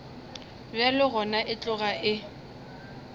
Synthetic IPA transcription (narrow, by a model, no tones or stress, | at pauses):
bjalɪɣɔnaʔɪt͡ɬʼʊɣaʔɪ